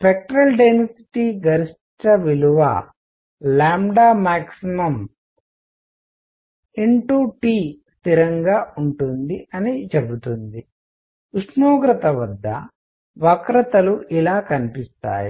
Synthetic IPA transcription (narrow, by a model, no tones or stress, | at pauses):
spek̚ʈɾɐlɖensi̥ʈiːɡɐɾiʂ | ʈɐʋiluʋa̰ | laːmɖaːmaːksimɐm | iɳʈuːʈiːst̪iɾɐŋɡaːuɳʈund̪iɐnit͡ʃebut̪und̪i | uʂnoːɡɾɐt̪ɐʋɐd̪ːɐ̰ | ʋɐkɾɐt̪ɐluʔilaːkɐnipist̪a̰ːjḭ